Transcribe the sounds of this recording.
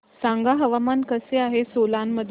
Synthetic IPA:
sãŋɡaɦəʋamankəseaɦesolanːəd̪ʱ

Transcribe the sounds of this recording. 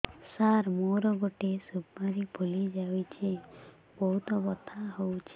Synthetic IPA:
saɾmoɾɔɡoʈesubmaɾibʱulid͡ʒawit͡ʃʰe | bɔɦut̪ɔbɔt̪ʰaɦowt͡ʃʰe

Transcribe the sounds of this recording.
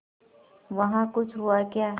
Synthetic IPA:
ʋɐɦãkʊt͡ʃʰɦuakjaː

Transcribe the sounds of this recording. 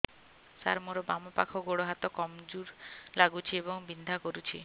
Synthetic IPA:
sa̰ɾmoɾɔbamɔpa̰kʰɔɡoɽoɦat̪ɔkɔmd͡ʒuɾlaɡut͡ʃʰiebɔŋbind̪ʱakɔɾut͡ʃʰi

